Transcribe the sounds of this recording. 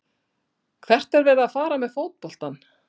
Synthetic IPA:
kʰvɛr̥t̪ɛɾvɛːðaːðfaːɾamɛðfoːwt̪̚pɔl̥t̪an

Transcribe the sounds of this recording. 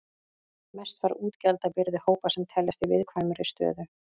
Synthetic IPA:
mɛst̪vaɾuːt̪cɛlt̪apɪɾðɪhoːwpasɛmt̪ʰɛlːast̪ivɪðkʰvajmʏɾɪst̪œ̰ːðʏ

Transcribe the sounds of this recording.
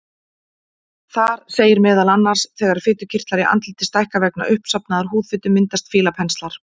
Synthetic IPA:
θaɾseːjɪɾmɛːðalanːar̥sθɛːɣaɾ̥fɪt̪ʏ̥cʰɪr̥t̪laɾɪʔa̰nt̪lɪt̪ɪ̥st̪ajhkavɛk̚na̰ʔʏhpsapnaðaɾ̥huːðfɪt̪ʏmːɪnt̪ast̪fɪːlapʰɛnst̪laɾ̥

